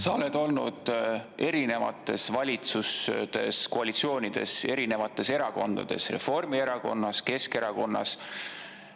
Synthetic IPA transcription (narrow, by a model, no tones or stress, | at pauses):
sɑled̪̥o̞lnud̪̥ʔe̞ɾine̞vɑ̰t̪ːˑe̞svɑlʲit̪susd̪̥e̞̰sko̞ɑlit̪sio̞ːnid̪̥e̞̰se̞ɾine̞vɑt̪ːˑe̞se̞ɾɑko̞nd̪̥ɑ̰d̪̥e̞̰sre̞̰fo̞rmie̞ɾɑko̞̰nːɑske̞ske̞ɾɑko̞nːɑ̰s